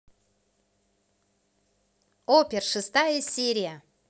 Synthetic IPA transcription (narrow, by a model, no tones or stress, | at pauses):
opʲɪrʂɨst̪ajəsʲeɾʲɪjə